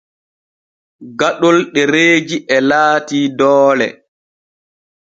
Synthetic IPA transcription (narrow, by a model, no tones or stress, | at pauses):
ɡaɗɔlɗɛɾeːd͡ʒiʔɛlaːtiːdɔːlɛ̰